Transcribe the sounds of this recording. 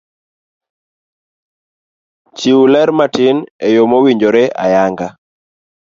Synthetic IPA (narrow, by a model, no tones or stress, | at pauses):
t͡ʃiwulɛɾmatinɛjomowiɲd͡ʒoɾeʔa̰jaŋɡa